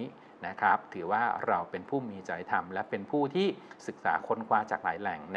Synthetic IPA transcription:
na˦˥kʰa˦˥p̚t̪ʰɯː˩˦waː˥˩ɾa˧wpe˧npʰuː˥˩miː˧t͡ɕa˧jt̪ʰa˧mlɛ˦˥pe˧npʰuː˥˩t̪ʰiː˥˩sɯ˨˩k̚sa̰ː˩˦kʰo˧nkʰwaː˧t͡ɕaː˨˩k̚la̰ː˩˦jlɛ˨˩˦ŋn˦

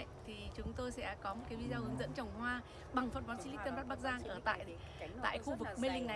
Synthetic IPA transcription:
t̪ʰi˨˩t͡ɕʊ˨˦ŋ͡mt̪o˧jsɛ̰˧˥kɔ˨˦mo˨˩t̚kaː˨˦jvi˧zaː˧whɨ˨˦ŋzɨ̰˧˥nt͡ɕə˨˩wŋ͡mɦwaː˧ | ɓa˨˩ŋfə˨˩nvɔ˨˦nt͡ɕi˧li˦˥t̪ə˧nɓ̚ɓk̚zaː˧ŋʔəː˧˩t̪a̰ː˧˨j | t̪a̰ː˧˨jxu˧vɨ˨˩k̚me˧lï˧ŋ̟˨

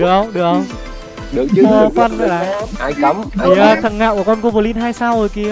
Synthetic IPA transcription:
ɗɨ˨˩ək̚hə˧wŋ͡mɗɨ˨˩ək̚hə˧wŋ͡m | ɗɨ˨˩əkːfə˧nzə̰˨laː˧˨ja˧˦i˨˩əː˧t̪ʰə˨˧˩ŋa̰ː˧˨ku˧˩əkɔ˧nku˧˩ɓo˧˩li˧nɦaː˧jsaː˧wzo˨˩jki˧

